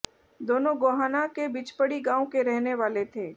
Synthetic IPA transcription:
d̪oːnõɡoːɦaːnakebɪt͡ʃpəɽiɡãːõkeɾɛɦneʋaːlet̪ʰeː

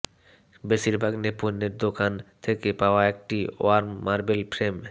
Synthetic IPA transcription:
beʃiɾbʱaɡnepunːeɾd̪okant̪ʰekepaoaek̚ʈio̰aɾmːaɾbelpɾem

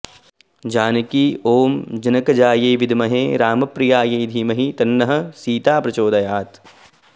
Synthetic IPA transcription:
d͡ʒaːnɐkiːoːmd͡ʒɐnɐkɐd͡ʒaːjeːʋid̪mɐɦeːɾaːmɐpɾijaːjɐjd̪ʱiːmɐɦit̪ɐnːɐɦɐ̆siːt̪aːpɾɐt͡ʃoːd̪ɐjaːt̪

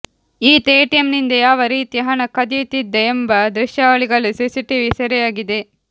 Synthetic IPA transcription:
iːt̪eːʈijɐmnind̪ɐjaːʋɐɾiːt̪iɦɐnɐkɐd̪it̪id̪ːeːmbɐd̪ɾɪʃjaːʋɐɭiɡɐɭusisiʈiʋisɐɾɛjaːɡid̪e

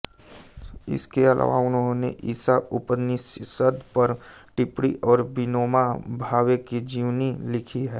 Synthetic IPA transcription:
ɪ̰skeəlʔa̰ːʋaʊnɦõnḛʔisaʊpəd̪nissəd̪ʱpəɾ | ʈɪpɽḭʔɔːɾbɪnoːmabʱaːwekid͡ʒiːʋnilɪkʰiɦɛː

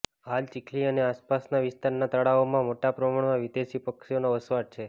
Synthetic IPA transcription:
ɦalt͡ʃikʰliəneaspasnaʋɪst̪aɾnat̪əɽaomãmoʈapɾəmaɳmãʋid̪eʃipəkʃonoəsʋaɾ̚t͡ʃʰe

